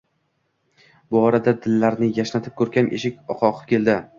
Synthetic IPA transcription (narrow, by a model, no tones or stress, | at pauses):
bʊɒɾad̪ad̪ɪlːaɾnɪjaʃnat̪ʰɪp̚kʰɵɾkʲʰanʔeʃɪkʲɒqʰɒqɨp̚kʲʰe̞ld̪ɪ